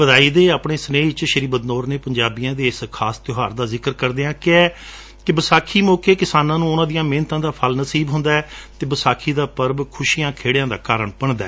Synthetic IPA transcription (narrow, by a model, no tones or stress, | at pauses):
bəd̪aːiːd̪eːaːpɳeːsneːt͡ʃʃəɾiːbəd̪noːɾneːpəɲd͡ʒaːbɪjãːd̪eːɪskʰaːst̪ɪɦaːɾd̪aːzɪkəɾkəɾd̪eːãːkɪɛː | kɪbəsaːkʰiːmoːkeːkɪsaːnãːnũːʊnãːd̪ijãːmẽːnt̪ãːd̪aːpʰəlnəsiːbɦʊ̃nd̪aːɛːt̪eːbəsaːkʰiːd̪aːpəɾbkʰʊʃiːãːkʰeːɽjãːd̪aːkaːɾəɳpəɳd̪a̰ː